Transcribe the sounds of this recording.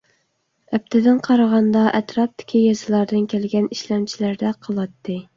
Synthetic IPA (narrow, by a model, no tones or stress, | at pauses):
ɛp̚t̪ʰɪd̪ɪnqʰɑɾɑʁɑnd̪ɑʔɛt̪ɾɑp̚d̪ɪ̥kʲʰijɑzɨlˠɑɾd̪ɨnkʲʰælɡʲɛniʃlæmt͡ʃʰilæɾd̪ɛqʰəlˠɑt̪ːɨ